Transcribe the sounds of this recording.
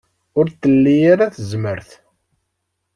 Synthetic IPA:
ʊɾt̪ːəlːijaɾaθəzməɾθ

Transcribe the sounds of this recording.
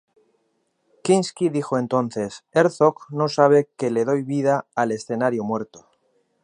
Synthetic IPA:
kinskiðixoe̞nt̪o̞nθe̞seɾθokno̞saβ̞e̞ke̞le̞ðo̞jβið̞aːle̞sθe̞naɾjomwe̞ɾt̪o̥

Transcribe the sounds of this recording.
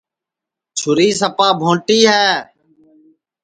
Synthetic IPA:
t͡ʃʰʊɾiːsəpaːbʱõːʈiːɦɛː

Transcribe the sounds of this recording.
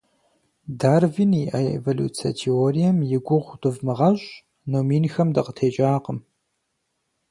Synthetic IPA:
daːrviniʔɐḛvolṵːt͡sʰɐ̰tʰeoːrijɐmjɪɡʷʊʁʷdɨvmɨʁɐɕʼ | noːmiːnxɐmdɨqətʰeːt͡ʃʼaːqəm

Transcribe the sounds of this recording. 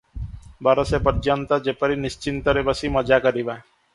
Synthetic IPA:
baɾɔsepəɾd͡ʒant̪ɔd͡ʒepəɾinist͡ʃint̪ɔɾebəsimɔd͡ʒakɔɾiba

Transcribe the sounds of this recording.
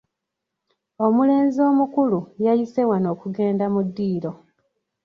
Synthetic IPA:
o̞mule̞ːnzio̞ːmukulujajise̞wano̞ːkuɡe̞ːndamudːiːɾo̞

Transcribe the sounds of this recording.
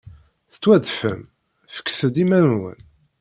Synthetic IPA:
θə̥t͡sːwæd̪fəm | fə̥kːθəd̪imæɾnwə̰n

